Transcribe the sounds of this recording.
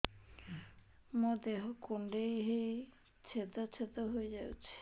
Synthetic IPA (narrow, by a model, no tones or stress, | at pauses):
mod̪eɦokuɳɖejɦej | t͡ɕʰet̪ot͡ɕʰet̪oɦoed͡ʑawt͡ɕʰe̥